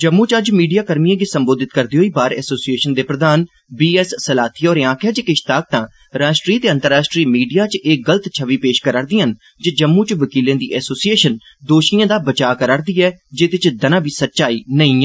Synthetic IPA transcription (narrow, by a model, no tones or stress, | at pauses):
d͡ʒəmːũːt͡ʃəd͡ʒmiːɖijaːkəɾmijãːɡiːsəmboːd̪ɪt̪kəɾd̪iːɦoːiːbaːɾɛ̰ːsoːsieːʃənd̪eːpɾəd̪aːn | biːɛːsːəlaːt̪ʰiːɔːɾeːãːkʰjaːd͡ʒeːkɪʃt̪aːk̚t̪ãː | ɾaːʃʈɾiːt̪eːə̃nt̪əɾːaːʃʈɾiːmiːɖijaːt͡ʃʔeːɡələt̪t͡ʃʰəʋiːpeːʃkəɾaːɾd̪iːən | d͡ʒeːd͡ʒəmːũːt͡ʃʋəkiːlẽːd̪ḭːʔɛːsoːsieːʃən | d̪oːʃijãːd̪aːbət͡ʃaːkəɾaːɾd̪iːɛːd͡ʒeːt̪ɪt͡ʃd̪ənãːbʱiːsətːʃaːiːnəĩːɛː